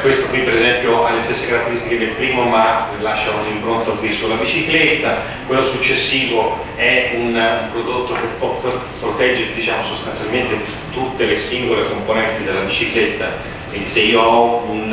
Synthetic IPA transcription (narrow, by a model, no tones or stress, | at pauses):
kwest̪okwipːeɾezɛmpjoʔalːest̪esːekaɾat̪ːeɾist̪iked̪elpɾiːmomalaʃːakoziimpɾont̪okwisulːabit͡ʃiklet̪ːa | kwelːosut͡ʃːesːiːvo | ɛunpɾod̪ot̪ːok̟epːɔppːɾot̪ɛd͡ʒːeɾed̪it͡ʃaːmosost̪ant̪sjalment̪e | t̪ut̪ːelesiŋɡolekomponɛnt̪id̪elːabit͡ʃiklet̪ːa | iseiːoɔun